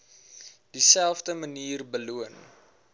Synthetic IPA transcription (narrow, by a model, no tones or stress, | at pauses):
d̥isælˠfdəməniːrbəluən